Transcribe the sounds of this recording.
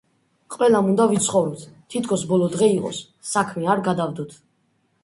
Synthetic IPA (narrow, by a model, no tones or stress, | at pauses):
qʼwɛlamund̪avit̪sʰχɔvɾɔpt̪ʰt̪ʰit̪ʰkʰɔsbɔlɔd̪ʁɛiqʼɔ̰sː | akʰmiaɾɡad̪avd̪ɔt̪ʰ